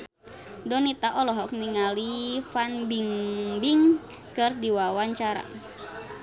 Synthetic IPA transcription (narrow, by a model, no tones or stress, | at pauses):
dɔnit̪aʔɔlɔɦɔk̚niŋalifanbiŋbiŋ | kɨrdiwawaɲt͡ʃaɾa̰